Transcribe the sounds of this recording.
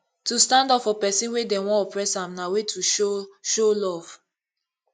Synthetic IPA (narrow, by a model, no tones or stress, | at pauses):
tustãndɔpfɔpɛsĩnwedɛwɔ̃ɔpɹɛsãmnawetʰuʃoʃolɔv̥